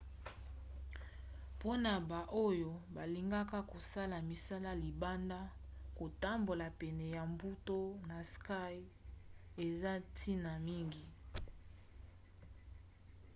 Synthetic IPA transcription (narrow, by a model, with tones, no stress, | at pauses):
po˦na˨ba˨ʔo˦jo˦ba˨li˨ŋɡa˦ka˦ko˨sa˦la˨mi˨sa˦la˦li˨ba˦nda˦ko˨ta˦mbo˨la˨pɛ˨nɛ˨ja˨mbu˦to˦na˨ska˦j | e˨za˦tʰi˦na˨mi˦ŋɡi˨